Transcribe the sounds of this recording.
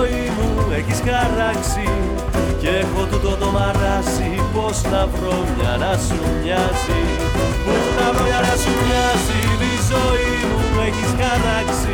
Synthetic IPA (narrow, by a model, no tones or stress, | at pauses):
inueciskaraksi | cexot̪ut̪ot̪omarasiposnapɾoɲa̰nasuɲasi | punapɾojanasuɲasiðizoi | nuɛkiskaraksi